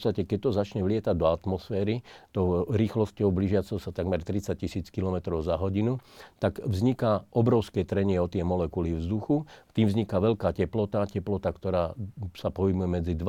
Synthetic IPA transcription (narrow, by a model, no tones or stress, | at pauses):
t͡st̪acɛkɛc̚t̪ɔzat͡ʃɲɛʋlɪɛt̪aɟd̪ɔat̪mɔsfɛːɾit̪ɔʊɾiːxlɔscɔʊbliʒɪat͡sɛʊsat̪aɡmɛɾt̪ɾit͡sac̚cːisiːt͡skilɔmɛt̪ɾɔʊzaɦɔɟinut̪aɡvzɲikaʔɔbɾɔʊskɛt̪ɾɛɲɪɛɔt̪ɪɛmɔlɛkulivzd̪uxuft̪iːmvzɲikaʋɛʎkaːcɛplɔt̪acɛplɔt̪akt̪ɔɾaːsapɔɦimujɛmɛd͡zid̪ʋ